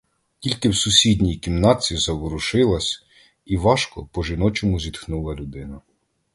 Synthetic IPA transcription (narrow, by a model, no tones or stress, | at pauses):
kʲilʲkɪwsʊsʲidʲnʲijkʲimnɑt͡sʲizɐʋɔɾʊʃɪlˠɐsʲ | iʋɑʃkɔ̰pɔʒɪnɔt͡ʃɔmʊzʲit̪xnulˠɐlʲʊd̪ɪnɐ